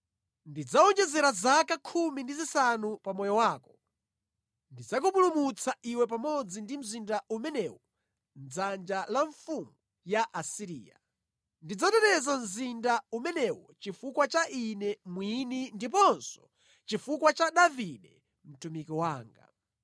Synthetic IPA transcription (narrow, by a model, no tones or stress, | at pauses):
ndid͡zaɔnd͡ʒɛzɛɾazakakʰumindizisanupamɔjɔwaːkɔ̥ | ndid͡zakupulumut͡sʰaʔiwɛp̬amɔd͡zindim̩zindaʔumɛnɛwɔ | nd͡zand͡ʒalaɱfuŋɡu | jaʔasiɾḭːja̰ | ndid͡zatɛtɛzam̩zindaumɛnɛwɔt͡ʃifukwat͡ʃaʔinɛmwinindip̬ɔnsɔ̥ | t͡ʃifukwat͡ʃaɗaviɗɛ | m̩tumikiwaːŋɡa̰